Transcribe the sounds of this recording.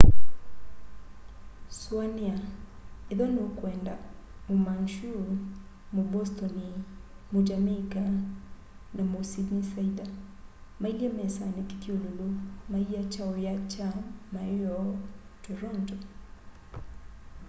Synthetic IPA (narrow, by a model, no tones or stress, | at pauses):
swaniaeðɔnokwɛːnda | omanʃu | mobɔstɔni | mod͡ʒamaka | namosidisaida | mailɛmɛsaneki̥tiololomaiat͡ʃaojat͡ʃamaɔtɔɾɔntɔ